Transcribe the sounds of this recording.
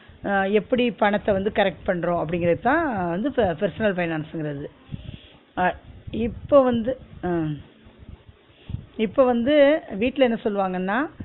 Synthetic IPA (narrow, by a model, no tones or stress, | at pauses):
ɛpːɐɽipɐɳɐt̪ːɛʋɐnd̪ɯkɐɾɛk̚ʈpɐɳːɾõːɐp̬ːɐɽɪŋɡɪɾɐðɯt̪ːãːʋɐnd̪ɯpɛɾsɐnɐlfɐɪnaːnsɯŋɡɪɾɐðɯ | ɪpːoːʋɐnd̪ɯ | ɪpːoːʋɐnd̪ɯʋiːʈːlɐɛnːɐsɔlːɯʋaːŋɡɐnːaː